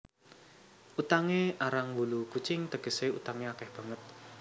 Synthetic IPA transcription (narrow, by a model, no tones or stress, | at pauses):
ʔut̪aŋeaɾaŋwulukut͡ʃɪŋt̪əɡ̥ə̤seṵt̪aŋeakɛhb̥ä̤ŋət̪̚